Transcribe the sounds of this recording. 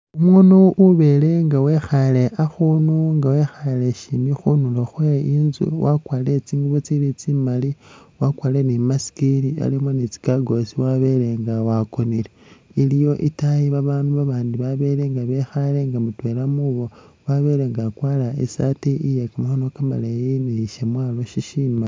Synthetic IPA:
umunoʔuβe̞le̞ŋɡawe̞xale̞ʔaxunuŋɡawe̞xale̞ʃimixunuloxweinzṵwakwaːlet͡siːŋɡuβot͡silit͡simali | wakwale̞nimasi̥kilia̰limonit͡si̥kaɡo̞siwaβe̞le̞ŋɡawakonileilijo̞ʔitajiβaβaːnduβaβaːndiβaβe̞ɾeŋɡaβe̞xale̞ŋɡamutwe̞lamuβo̞waβe̞ɾe̞ŋɡakwaːlaḛsatiijekamaxanokama̰lejineʃemwaːlo̞ʃiʃiːma

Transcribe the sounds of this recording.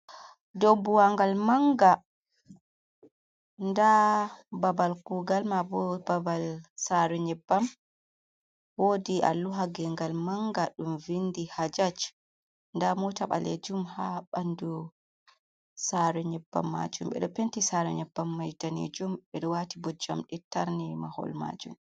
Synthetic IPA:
dɔbuwaŋɡalmaŋɡa | ndababalkuɡalmabɔbabalsaɾɛɲɛbːam | wodia̰lːuɦaɡɛŋɡalmaŋɡaɗumvindihad͡ʒat͡ʃ | ndamɔtaɓa̰lḛd͡ʒumhaɓandu | saɾɛɲɛbːa̰mːa̰d͡ʒumɓɛ̰ɗɔpentisaɾɛɲɛbːamːajdanḛd͡ʒumɓɛɗɔwatibɔd͡ʒamɗɛtːaɾnimahɔ̰lma̰d͡ʒṵm

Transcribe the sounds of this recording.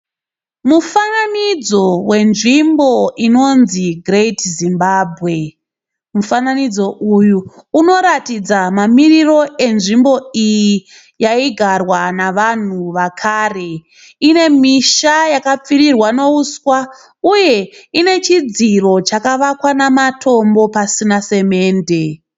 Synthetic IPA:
mufananid͡zo̞we̞nʐimbo̞ino̞nziɡretzimbaːbʱɣe̞ | mufananid͡zo̞ʔujuːno̞ɾatid͡zamamiriro̞ʔe̞nʐimbo̞iji | jaiɡʱarwanaʋan̤uʋakʰaːre̞ | ine̞miʃajakap͡fiɾirwano̞uswa | uje̞ine̞t͡ʃid͡ziro̞t͡ʃakaʋakwanamatʰo̞mbo̞pasinase̞me̞ːnde̞

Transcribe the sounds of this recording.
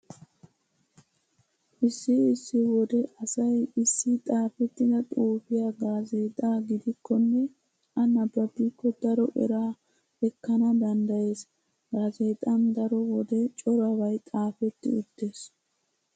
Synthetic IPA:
ʔɪsːɪɪsːɪwɔd̪ɛʔɐsɐjɪsːɪt̪ʼaːfɛt̪ːɪd̪ɐt̪ʼuːfɪjaːɡaːzeːt̪ʼaːɡɪd̪ɪkːɔnːɛ | ʔɐnɐbːɐbɪkːɔd̪ɐɾɔʔɛ̰ɾaː | ɛkːɐnɐd̪ɐnd̪ɐje̞ːs | ɡaːzeːt̪ʼɐnd̪ɐɾɔwɔd̪ɛt͡ʃʼɔɾɐβɐjt̪ʼaːfɛt̪ːɪ̰ʊt̪ːeːs

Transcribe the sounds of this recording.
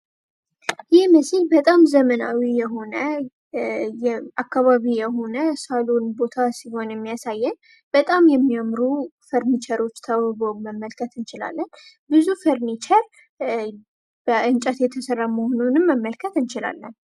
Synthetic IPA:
jɪməsilbət̪ʼamzəməna̰wijɛɦo̞nə | jɛakːaβaβijɛɦo̞nəsalonbo̞t̪ʰasiho̞njɛmːijasajːɛn | b̥ət̪ʼamjɛmːijamɾufəɾnit͡ʃʰəɾo̞t͡ʃːt̪ʰaβɨβoməmːəlkʰət̪ɨnt͡ʃɪla̰lːən | bɨzufəɾnit͡ʃʰəɾ | b̥əʔɨnt͡ʃʼət̪jɛt̪ʰəsərːaməhonunɨmːəmːəlkʰət̪ɨnt͡ʃɪla̰lːən

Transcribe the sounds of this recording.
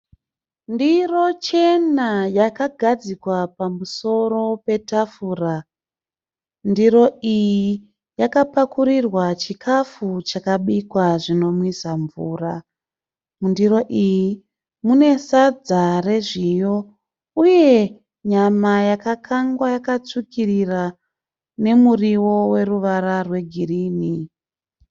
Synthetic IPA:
ndiro̞t͡ʃe̞najakaɡʱad͡zikwapamuso̞ɾo̞pe̞tafura | ndiɾo̞iji | jakapakuɾirwat͡ʃikʰafut͡ʃakaɓikwaʐino̞mwisaɱvuːra | mundiɾo̞ʔiji | mune̞sad͡zare̞ʐijo̞ | uje̞ | ɲamajakakʰaŋɡwajakat͡sukirira | ne̞muriwo̞we̞ruʋaɾarwe̞ɡʱiriːni

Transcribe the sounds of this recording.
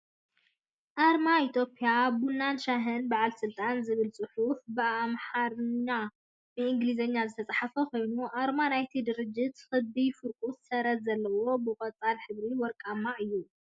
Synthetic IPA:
ʔaɾmait̪ʰjo̞pʼiabunːanʃaɦɨnbaʕalsɨlt̪ʼanzɨβɨlt͡sʼɨħufbɨamħaɾɲːa | bɨɨŋɡlizɐɲːazɨt̪ʰɐt͡sʼaħafɐko̞jnuʔaɾmanajt̪ʰid̪ɨɾɨd͡ʒːɪt̪xɨbifɨɾkʼut̪sɐɾɐt̪zɐlːɐwo̞bɨkʼɐt͡sʼalħɨβɾiwɔɾkʼamaʔɨjːu

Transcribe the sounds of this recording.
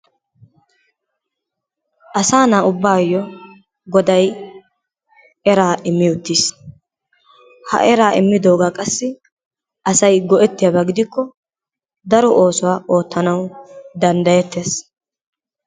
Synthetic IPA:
ʔɐsaːnaːʊbːaːjːɔ | ɡɔd̪ɐj | ɛɾaːʔɪmːɪʊt̪ːiːs | hɐ̰ʔɛɾaːɪmːɪd̪o̞ːɡakʼɐsːɪ | ɐsɐjɡɔʔɛt̪ːɪjabɐɡɪd̪ɪkːɔ | d̪ɐɾɔʔo̞ːsɔwaːʔo̞ːt̪ːɐnɐwd̪ɐnd̪ɐjɛt̪ːe̞ːs

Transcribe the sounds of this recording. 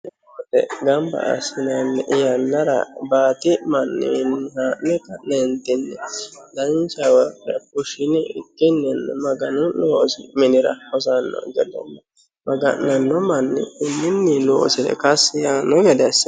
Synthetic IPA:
t̪ɛ̰ɡɐmbɐ̰ʔːsɪnanːɛʔɪjanːɐɾɐ̰baːt̪ɪmɐnːɪ̰nhaːʔnɛkɐʔnent̪ɪnːɛd̪ɐnt͡ʃɐwɐɐkʊʃɪnɪɪ̰kːɪnːɛnːɛmɐɡɐnʊnoːsɪmɪnɪɾɐ̰hɔzanːɔ̰ɡɛd̪ɛ̰nːɐ | mɐɡɐ̰nnɐnːɔmɐnːɪkʊnːɪnːɪnoːsɪɾɛ̰kɐsjaːnːɔɡɛd̪ɛs

